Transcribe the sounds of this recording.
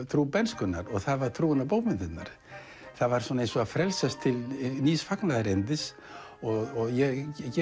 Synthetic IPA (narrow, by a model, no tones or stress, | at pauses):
t̪ʰɾuːpɛnskʏnnaɾɔɣθaðvaɾ̥t̪ʰɾuːɪnapoːwpmɪnt̪ɪt̪na̰ɾ̥ | θaðvaɾ̥sɔːnaejnsɔafɾɛlsast̪ʰɪlniːsfaknaðaɾent̪ɪs | ɔɣɔɣjɛcɛ